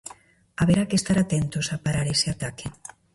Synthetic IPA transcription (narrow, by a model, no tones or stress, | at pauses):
aβeɾakest̪aɾat̪ent̪osapaɾaɾeseat̪ake